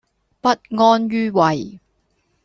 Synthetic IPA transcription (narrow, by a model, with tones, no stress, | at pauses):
pɐ˥t̚ŋɔː˥nɥyː˥wɐ˨˩j